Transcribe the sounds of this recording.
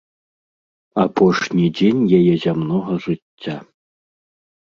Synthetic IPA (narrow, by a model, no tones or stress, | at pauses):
apʰɔʂnʲid͡zʲenʲjajɛzʲamnɔɣɐʐɨt͡sʲːa